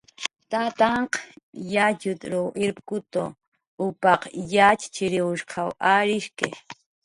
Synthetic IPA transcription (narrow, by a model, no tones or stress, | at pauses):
t̪at̪ɑɴqjat͡ʃʊt̪ɾoʔɪɾpkʊt̪o̰ | ʊpɑqjat͡ʃt͡ʃɪɾɪwʊʃqʰɑwaɾɪʃkḛ